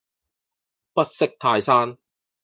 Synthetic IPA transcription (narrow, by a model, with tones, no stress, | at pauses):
pɐ˥t̚sɪ˥k̚t̪ʰaː˧jsaː˥n